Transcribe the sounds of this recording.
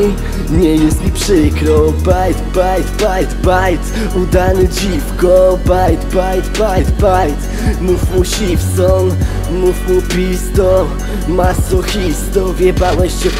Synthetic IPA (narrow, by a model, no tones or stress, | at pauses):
ɲɛjesipʂɪkɾɔbajt̪bajt̪bajt̪bajt̪ | ud̪anɨd͡ʒifkobajt̪bajt̪bajt̪bajt̪ | muvmuʃivsɔn | muvmupist̪ɔ | masoxist̪ɔvjɛbawɐʃ